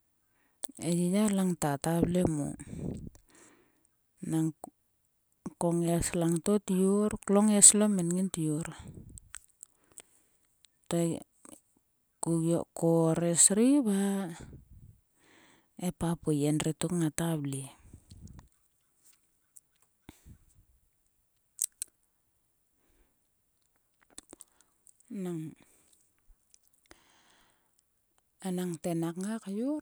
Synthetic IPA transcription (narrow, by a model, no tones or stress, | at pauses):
ejijalaŋtatablemo̰ | naŋ | koŋeslaŋtotioɾkloŋeslomenŋintioɾ | to | kuo̰koɾesɾiβa | epapujenritukŋatabli | naŋ | anaŋtenakŋakaju